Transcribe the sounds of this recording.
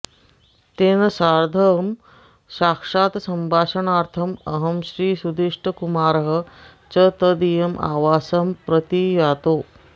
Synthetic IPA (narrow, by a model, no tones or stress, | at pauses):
t̪eːnɐsaɾd̪ʱəm | ɕaːkʂaːt̪səmbʱaːʂəɳaːɾt̪ʰɐmɐɦəmɕɾiːsud̪iʂʈʰəkumaːɾɦə̆ | t͡ɕət̪əd̪ijɐmʔa̰ːʋaːsɐmpɾət̪ijat̪oː